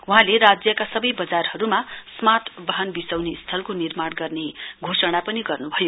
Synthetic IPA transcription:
uɦãleɾad͡zjʌkasʌbʌjbʌd͡zarhʌɾumasmat̪ʰbʌɦʌnbisawnist̪ʰʌlkonirmaɽɡʌrneɡʱosʌɽ̃apʌniɡʌrnubʱʌjo

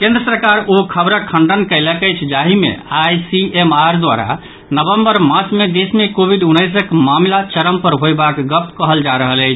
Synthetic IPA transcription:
kẽnd̪ɾəsəɾkaɾokʰəbɾəkʰːəɳɖənkəɪləkət͡ʃʰd͡ʒaɦimḛajsiemaɾd̪ʋa̰ɾa̰ | nəbəmbəɾmãsmed̪esmekobʱiɖunːəjs̬əkmamlat͡ʃəɾəmpəɾɦojbakɡəp̚t̪kəɦəld͡ʒaɾəɦələɪt͡ʃʰ

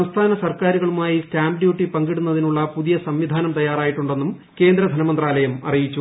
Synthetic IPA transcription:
ɐmst̪ʰaːnɐsɐrkaːɾuɣɐɭumaːjistaːmɖjuːʈːipɐŋɡiɽunːɐðinuɭːɐpuðijɐsɐmʋid̪ʱaːnɐmt̪ɐjːaːraːjiʈːuɳɖe̞nːum | ke̞ːnd̪ɾɐd̪ʱɐnɐmɐnd̪raːlɐjɐmɐ̰rijit͡ɕːu

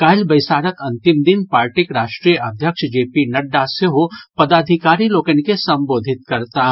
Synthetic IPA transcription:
kaːɪlbɐɪsaːɾək̪ɐ̃nt̪ɪmd̪ɪnpaːɾʈɪkɾaːʃʈɾiːjəʔɐd̪ʱjəkʃd͡ʒeːpinɐɖːaseɦopɐd̪aːd̪ʱɪkaːɾiloːkənikesɐ̃mboːd̪ʱɪt̪̚kɐɾt̪aː

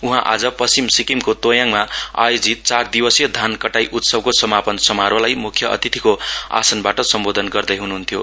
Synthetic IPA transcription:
uɦãʔa̰d͡zʌpʌsimsikimkot̪ojaŋmaa̰jod͡zit̪̚t͡sard̪ibʌsjʌd̪ʱankʌʈajʔut̪sʌb̚kosʌmapʌnsʌmaɾwʌlajmukʰjʌʔʌ̰t̪it̪ʰikoa̰sʌnbaʈʌsʌmbod̪ʱʌnɡʌrd̪ʌjɦunuɦunt̪ʰjo

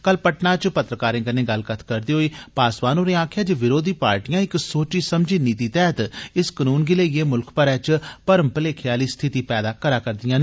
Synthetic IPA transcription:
kəlpəʈnãːt͡ʃpət̪ɾəkaːɾẽːkəneːɡəlkət̪ʰkəɾd̪iːɦoːiːpaːsʋaːnoːɾeːãːkʰjaːd͡ʒeːʋɪɾoːd̪iːpa̰ːɾʈijãːɪksoːt͡ʃiːsəmd͡ʒiːniːt̪iːt̪ɛːət̪ɪskənuːnɡɪleːeːmʊlkpəɾɛːt͡ʃpəɾəmpəleːkʰɪjaːliːst̪ʰɪt̪iːpɛːd̪aːkəɾaːkəɾd̪ɪjãːn

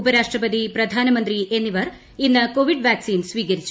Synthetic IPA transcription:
upɐɾaːʂʈɾɐpɐd̪ipɾɐd̪ʱaːnɐmɐnt̪ɾiʔenːiʋɐɾ | inːɐkoːʋiɖʋjaːksiːnsʋiːkɐɾit͡ɕːu

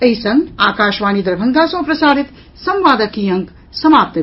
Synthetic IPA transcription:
ɐisɐ̃ŋɡaːkaːʃʋaːnid̪ɐɾbʱɐŋɡʱasɐ̃ːpɾɐsaːɾit̪ | sɐ̃mʋaːd̪ɐkijɐ̃ŋk | sɐmaːp̚t̪ə

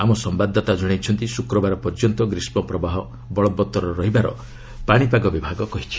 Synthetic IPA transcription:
amɔsɔmbad̪ʱːɔt̪ad͡ʒɔɽ̃ejt͡ʃʰɔnt̪isukɾɔbaɾɔpɔɾd͡ʒɔnt̪ɔɡɾismɔpɾɔbaɦɔ | bɔɭɔbːɔt̪ɔɾɔɾɔɦibaɾɔ̰ | paɽ̃ipaɡɔbibʱaɡɔkɔɦit͡ʃʰi̥

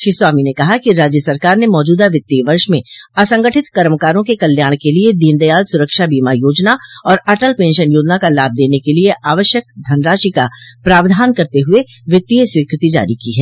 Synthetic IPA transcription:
ʃɾiswaːminekɐɦakiɾaːd͡ʒjəsɐɾkaːɾnemɔːd͡ʒuːd̪aʋɪt̪ːiʋɐɾʃmẽɐsə̃ŋɡəʈʰɪt̪kɐɾəmkaːɾõkekɐljaːɽ̃kelied̪iːnd̪əjaːlsʊɾəkʃabiːmajoːd͡ʒnaɔːɾɐʈəlpẽːnʃənjoːd͡ʒnakalaːb̚d̪eːnekelieʔaːʋəʃjək̚d̪ʱɐnɾaːʃikapɾaːʋd̪ʱaːnkɐɾt̪eɦʊe | ʋɪt̪ːijswiːkɾɪt̪id͡ʒa̰ːɾikiɦɛː

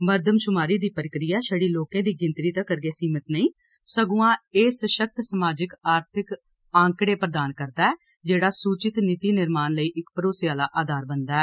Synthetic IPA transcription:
məɾd̪ʱəmʃʊmaːɾiːd̪iːpəɾɪkɾijaːʃəɽiːloːkẽːd̪iːɡɪ̃nt̪ɾiːt̪ãːkəɾɡeːsiːmət̪nəĩː | səɡũːãːeːsəʃək̚t̪səmaːd͡ʒɪkaːɾt̪ʰɪk | ãːŋkɽeːpɾəd̪aːnkəɾd̪aːɛː | d͡ʒeːɽaːsuːt͡ʃɪt̪nɪt̪iːnɪɾmaːnləiːʔɪkpəɾoːsɪjaːlaːʔaːd̪aːɾbənd̪aːɛː

